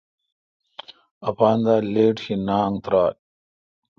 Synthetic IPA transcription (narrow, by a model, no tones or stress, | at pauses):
ɐpaːnd̪aːleːʈɕinaːŋt̪ɾaːt̚